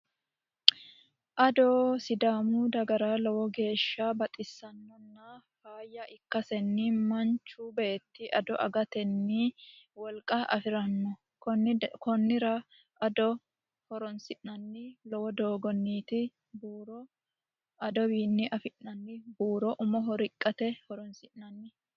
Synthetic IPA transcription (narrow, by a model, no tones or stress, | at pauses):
ʔɐd̪ɔːsɪd̪aːmuːd̪ɐɡɐɾaːlɔwɔɡe̞ːʃːabɐt̪ʼɪsːɐnːɔnːafaːjːɐʔɪkːɐsɛnːɪmɐnt͡ʃːuːbeːt̪ːɪʔɐd̪ɔʔɐ̰ɡɐt̪ɛnːiwɔlkʼɐʔɐ̰fɪɾɐnːɔ | kːkɔnːɪɾɐ | ɐd̪ɔ | hɔɾɔnsɪʔnɐnːɪlɔwɔd̪oːɡɔnːiːt̪ɪ | buːɾɔ | ɐd̪ɔwiːnːɪʔɐfɪʔɐnːɪbuːɾɔʔʊmɔɦɔɾɪkʼːɐt̪ɛhɔɾɔnsɪʔnɐnːɪ